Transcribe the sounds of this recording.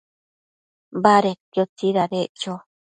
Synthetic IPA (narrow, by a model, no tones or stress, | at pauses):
baɾetjot͡siɾaɾeʔt͡ʃo